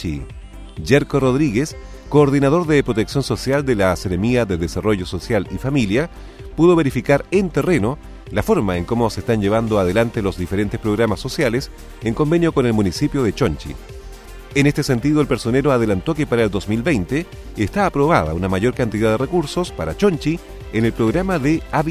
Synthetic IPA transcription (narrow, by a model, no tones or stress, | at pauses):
i | ʝeɾkoroðɾiɣes | koːɾðinað̞o̞ɾðepɾo̞t̪e̞ksjo̞nso̞sjald̪elaseɾemiaðeðesaro̞ʝoso̞sjalifamilja | puðoβ̞eɾifikaɾent̪ere̞no | lafo̞ɾmaeŋko̞mosest̪anʝe̞β̞and̪oað̞elant̪elozðifeɾe̞nt̪espɾoɣɾamasːo̞sjales | eŋko̞mbe̞njo̞ko̞nelmunisipjo̞ð̞et͡ʃont͡ʃḭ | enest̪ese̞nt̪iðoelpe̞ɾso̞neɾoaðelant̪o̞kepaɾaeld̪o̞smilβejnt̪eː | st̪aːpɾo̞βaða̰unamaʝo̞ɾkant̪iðaðerekuɾsospaɾat͡ʃo̞nt͡ʃi | enelpɾoɣɾamaðeaβ